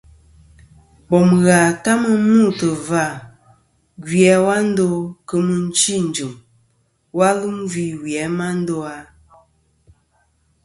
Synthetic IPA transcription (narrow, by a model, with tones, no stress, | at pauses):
bɔ˨mɣa˨ta˦mə˦mu˦˨tə˨va˦˨ | ɡi˨ɛ˨˦wa˦n̩˦do˦kə˦mə˦n̩˦t͡ʃi˦˨n̩˨d͡ʒu˨m | wa˦lu˦mvi˦wɛ˨˦ma˦n̩˦do˦a˨